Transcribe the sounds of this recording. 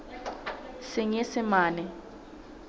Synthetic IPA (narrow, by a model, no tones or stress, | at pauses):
sɪŋesɪmaːnɛ